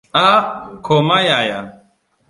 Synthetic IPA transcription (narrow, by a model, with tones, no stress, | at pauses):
a˦kʰo˨ma˦ja˨ja